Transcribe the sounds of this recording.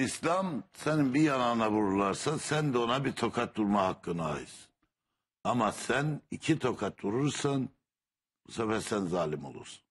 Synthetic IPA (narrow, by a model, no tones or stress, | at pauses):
islamseninbijanaːnaβuɾuɾlˠaɾsasænd̪ɛo̞nabiɾt̪ʰo̞kʰat̪̚d̪uɾmahakːɯnaa̰jɯs | amasænicʰit̪ʰo̞kʰat̪̚d̪uɾuɾsɯn | busɛfɛɾsænzaːlʲimo̞̰lˠṵɾsɯ̥n